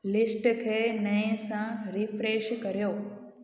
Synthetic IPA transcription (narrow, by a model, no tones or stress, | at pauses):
lɪsʈkʰeːnəĩsãɾifɾeːʃkəɾjoː